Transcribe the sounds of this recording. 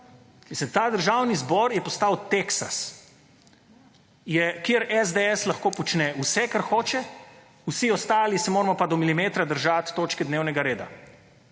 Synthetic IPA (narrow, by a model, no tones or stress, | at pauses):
isɛt̪aːd̪əɾʒaːwnizbɔɾjɛpɔst̪awt̪eksa̰s | jɛkeəɾɛzd̪eɛslaxkoːpɔt͡ʃnɛusɛkaɾxoːt͡ʃɛ | usiɔst̪aːlisɛmoːɾɛmɔpad̪ɔmilimeːt̪ɾad̪əɾʒat̪ːoːt͡ʃkɛd̪neːwnɛɡaɾeːd̪a